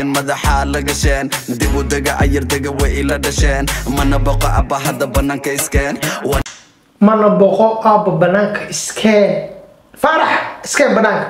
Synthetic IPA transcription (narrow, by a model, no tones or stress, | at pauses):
nmɐðɑħalɐɡɐʃɛːnd̪ɪβʊd̪ɐɣɐʔɐjɐrd̪ɐɣɐwɛʔɪlɐɖɐʃɛːnmɐnɐbɐqɔʔɐ̰bɐɦɐd̪ɐbɐnaːŋkʰɐɪskʰɛnwɑ | mɐnɐbɔqɔʔɐbɐbɐnaːŋkʰɐɪskʰɛ | faːɾɑħɪskʰɛːbɐnaːŋkʰɐ